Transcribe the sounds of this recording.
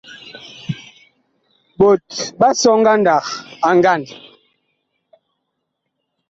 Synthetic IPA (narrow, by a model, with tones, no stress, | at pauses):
ɓo˨t̚ɓa˦sɔ˦ŋ̩˦ɡa˦nda˨ka˨ŋ˦ɡa˦˨n